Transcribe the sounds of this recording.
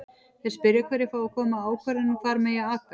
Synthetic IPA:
θɛ̥spɪɾjakʰvɛɾɪfɾaːwakʰɔːmaaːwkʰvœɾɪnufaːɾmɛːjaaːkva

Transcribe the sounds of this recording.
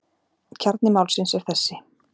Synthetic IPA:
cʰaɾt̪̚nɪmaːwlsɪnsɛɾ̥θɛsːɪ

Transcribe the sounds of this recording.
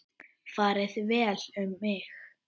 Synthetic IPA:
faːɾɪðvɛːlʏmːɪx

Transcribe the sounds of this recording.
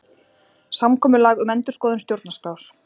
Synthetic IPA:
samkʰɔːmʏlaːɣʏmɛnt̪ʏɾ̥skɔːðʏnst̪jowɾt̪naskaws

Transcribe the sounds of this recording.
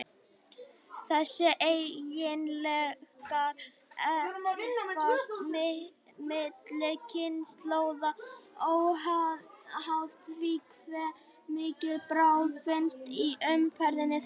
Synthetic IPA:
θɛsːɪʔejjɪnlɛkaɾ | ɛ | ammɪt̪lɪɾcʰɪnst̪loːwðaɔɣɦaɦaft̪viːk | vɛ | mɪːcɪðpɾawfɪnst̪iʔʏmfɛɾðɪnːɪ

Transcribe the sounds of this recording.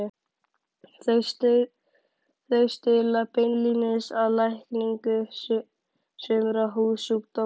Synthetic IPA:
θst̪ | θœɥst̪ɪlapɪnlinɪsaðlajhkniŋkʏ | sʏːmʏɾaɦuːðsukt̪ɔ

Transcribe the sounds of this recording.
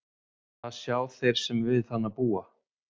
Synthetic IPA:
θaðsjaːwθejɾ̥sɛmvɪðθanːapuːa

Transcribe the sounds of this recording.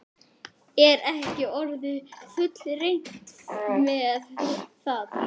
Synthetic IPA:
ɛɾɛhcɪɔɾðɪfʏt̪lɾejŋ̥ksmɛðθað

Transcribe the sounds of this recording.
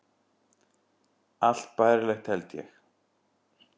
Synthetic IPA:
aɬt̪pajɾlɛːxt̪ʰælt̪jɛ̰x

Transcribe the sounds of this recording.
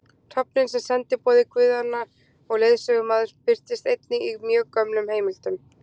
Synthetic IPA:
t̪ʰɔpnɪnsɛmsɛnt̪ɪpɔːðɪkʰvʏːðanːaɾ | ɔɣlejðsœɣʏmaːðʏɾpɪr̥t̪ɪst̪ejt̪nɪimjœːkœmnʏmheːjmɪl̥t̪ʏm

